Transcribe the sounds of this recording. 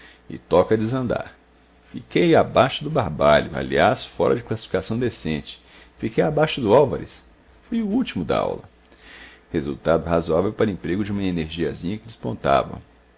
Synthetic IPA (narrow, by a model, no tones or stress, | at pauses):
ɪ̰t̪ɔkɐd͡ʒɪzɐ̃nd̪a̰ɾ | fikejabaʃʊd̪ʊbaɾbaʎʊa̰liasfɔɾɐd͡ʒɪklasi̥fikasɐ̃w̃d̪esẽnt͡ʃɪ̥ | fikejabaʃʊd̪ʊawvaɾɪ̰s | fojʊut͡ʃimʊd̪ɐ̰a̰wlɐ̰ | hezṵt̪ad̪ʊɦazuavewpaɾʊẽpɾeɡʊd͡ʒɪũmɐeneɾʒiɐzĩɲɐkɪd͡ʒɪspõ̰nt̪a̰vɐ̰